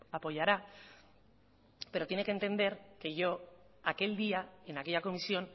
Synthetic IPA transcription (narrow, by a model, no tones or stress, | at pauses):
apo̞ʝaɾa | pe̞ɾo̞t̪je̞neke̞nt̪e̞nd̪e̞ɾke̞ʝo̞ | ake̞ld̪iaenakejako̞misio̞n